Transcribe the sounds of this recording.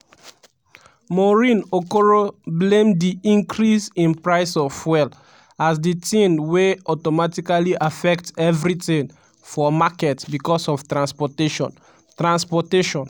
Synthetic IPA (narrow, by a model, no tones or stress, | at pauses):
mɔɹĩnokoɹoblẽmdiĩŋkɹisĩnpɹaɪsɔfwɛl | as̬ditĩnweɔtɔmatikaliʔafɛktsɛvɹitĩn | fɔmakɛtbikɔsɔftɹãnspɔteʃɔ̰̃n | tɹãnspɔteʃɔ̃n